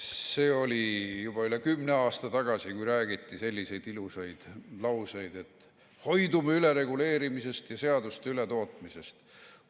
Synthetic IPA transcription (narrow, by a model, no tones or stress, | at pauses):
se̞ːo̞lʲijub̥ɑylekymːne̞ɑːst̪ɑt̪ɑɡ̥ɑsikujɾæːɡit̪ˑːise̞lʲːise̞jd̪̥ilusɑjd̪̥lɑwsejd̪̥e̞t̪ːˑ | ho̞jd̪umeyleɾe̞ɡule̞ːɾimise̞st̪jɑse̞ɑd̪̥ust̪eyle̞t̪o̞ːt̪ˑmise̞st̪